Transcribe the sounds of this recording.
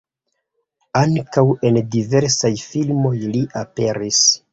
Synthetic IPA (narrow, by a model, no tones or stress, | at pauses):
aŋkawe̞ndive̞ɾsajfilmo̞jliʔape̞ɾis